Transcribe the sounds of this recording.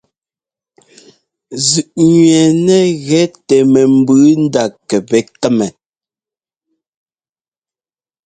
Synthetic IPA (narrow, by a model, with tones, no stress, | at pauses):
zʉ˨ʔɲɥɛ˨nɛ˦˨ɣɛ˨˦tɛ˨mɛ˨m̩˦bʉː˨˦n̩˦da˨kɛ˨bɛ˨˦tɛ˦mɛ˨